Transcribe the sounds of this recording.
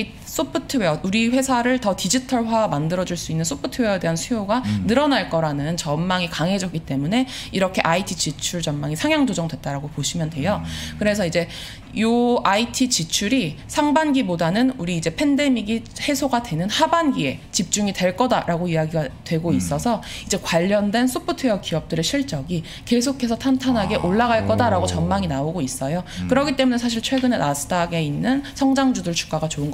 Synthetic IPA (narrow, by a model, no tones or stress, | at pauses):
s͈opʰɯtʰɯweʌuɾiɸwe̞sʰaɾɯɭtʌtid͡ʑitʰʌɭɸwamandɯɾʌd͡ʑuɭs͈uinːɯnsʰopʰɯtʰɯweʌede̞ɦansʰujoɡanɯɾʌnaɭk͈ʌɾanɯnt͡ɕʌmmaŋikaŋɦe̞d͡ʑʌk͈it͈e̞mune̞ | iɾʌkʰe̞ʔaitʰit͡ɕit͡ɕʰuɭt͡ɕʌmmaŋisʰaŋjaŋd͡ʑod͡ʑʌŋdwe̞t̚t͈aɾaɡopoɕʰimjʌndwe̞jokɯɾe̞sʰʌid͡ʑe̞ | joaitʰit͡ɕit͡ɕʰuɾisʰaŋbanɡibodanɯnuɾiːd͡ʑe̞pʰe̞nde̞miɡi | he̞sʰoɡadwe̞nɯnhabanɡie̞t͡ɕip̚t͡ɕ͈uŋitwe̞ɭk͈ʌdaɾaɡoijaɡiɡatwe̞ɡois͈ʌsʰʌ | id͡ʑe̞kwaʎːʌndwe̞nsʰupʰotʰɯjʌkiʌp̚t͈ɯɾeɕʰiɭt͡ɕ͈ʌɡi | ke̞s̬ʰokʰe̞sʰʌtʰantʰanɦaɡe̞ʔoɭːaɣaɭk͈ʌdaɾaɡot͡ɕʌnmaŋinaoɡois͈ʌjokɯɾʌɡit͈e̞mune̞s̬ʰaɕ̬ʰiɭt͡ɕʰwe̞ɡɯne̞nasʰɯ̥d͈aɡe̞inːɯnsʰʌŋd͡ʑaŋd͡ʑudɯɭt͡ɕu̥k͈aɡat͡ɕoɯnɡʌ